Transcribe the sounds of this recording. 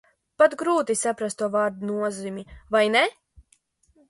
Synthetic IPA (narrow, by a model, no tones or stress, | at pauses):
pat̪ɡɾuːt̪isapɾast̪ːuɔvaːɾd̪unuɔzimʲivajnɛ